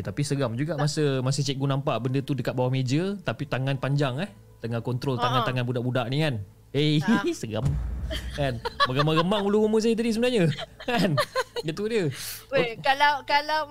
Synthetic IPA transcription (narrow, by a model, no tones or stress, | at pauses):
t̪apisəɡamd͡ʒuɡaʔmasəmasət͡ʃɛɡunampaʔbəndət̪udəkat̪̚bawahmed͡ʒət̪apit̪aŋanpaɲd͡ʒaŋɛh | t̪əŋakɔnt̪ɾɔlaŋãnt̪aŋanbudaʔbudaʔnikan | esəɡamkanməɡəmaɣəmaŋuluɣuməs̬aət̪adisəbənaɲəkanɡət̪udiə | kalakalaw